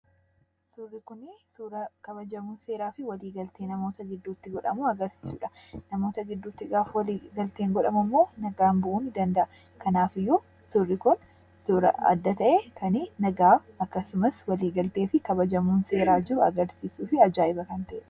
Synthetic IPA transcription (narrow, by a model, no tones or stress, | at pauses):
sʊrːɪkʊnɪsʊɾɐkɐβɐd͡ʒɐmuːnse̞ːɾaːfɪwɐliːɡɐlt̪eːnɐmo̞ːt̪ɐɡɪd̪ːuːt̪ːɪɡɔᶑɐmuɐɡɐɾsiːsuːᶑɐ̥nɐmo̞ːt̪ɐɡɪd̪ːut̪ːɪɡaːfwɐliːɡɐlt̪eːŋɡɔᶑɐmɐmːo̞ːnɐɡaːnbʊʔuːnɪd̪ɐnd̪ɐʔɐ | kɐnaːfɪjːʊ | sʊrːɪkʊn | sʊɾɐ̰ɐ̰d̪ːɐt̪ɐʔekʰɐnɪnɐɡaː | ɐkːɐsʊmɐswɐliːɡɐlt̪eːfɪkɐbɐd͡ʒɐmuːnse̞ːɾaːd͡ʒɪɾʊɐ̰ɡɐɾsiːsuːfɪɐd͡ʒaːɪbɐkɐnt̪ɐʔḛːᶑɐ